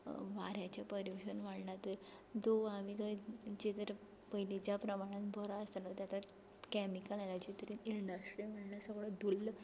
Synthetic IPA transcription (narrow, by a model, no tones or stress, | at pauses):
ʋaɾjat͡ɕjapəɾjuɕənʋaɽnat̪ə | d͡zoamit̪əd͡ʑet̪əɾ | pəilit͡ɕjapɾəmaɽ̃ãnbʱɔɾaəst̪anat̪jat̪a | kɛmikəlalat͡ɕit̪əɾiiɳɖəsʈɾiməɽnasəɡɭəd̪ulː